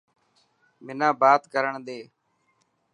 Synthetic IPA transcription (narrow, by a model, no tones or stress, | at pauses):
mɪnãːbaːt̪kəɾəɳd̪eː